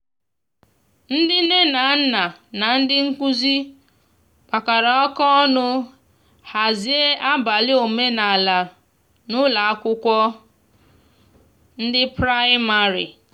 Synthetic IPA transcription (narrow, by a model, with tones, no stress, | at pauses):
n̩˦dɪ˦ne˦na˨˦n̩˦na˨na˨n̩˦dɪ˦ŋ̩˦kʷu˦zi˦ | k͡pa˨ka˨ɾa˨ɔ˦kɔ˦ɔ˦nʊ˦ | ha˨zi˦e˦ʔa˦ba˨lɪ˦o˨me˦na˨la˨ | nʊ˦la˨a˦kʷʊ˦kʷɔ˦ | n̩˦dɪ˦pɾa˦ɪ˦ma˨ɾḭ˨